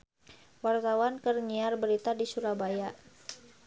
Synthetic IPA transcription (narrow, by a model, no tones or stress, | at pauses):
wart̪awankərɲiarbəɾit̪adisuɾabajaʔ